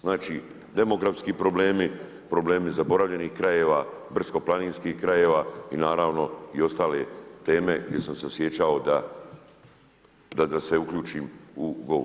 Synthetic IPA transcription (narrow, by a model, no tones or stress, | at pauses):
znaːt͡ʃiː | d̪e̞mo̞ɡɾafskiːpɾo̞ble̞ːmi | pɾo̞ble̞ːmizabo̞ɾaʋʎe̞niːhkɾaje̞ːʋaːbr̩sko̞plˠaniːnskiːhkɾajeːʋaːḭnaːɾaːʋno̞io̞st̪aːle̞t̪e̞ːme̞ɡd̪je̞samsesje̞t͡ʃao̞d̪a | d̪ad̪ase̞ukʎuːt͡ʃiːmuɡo̰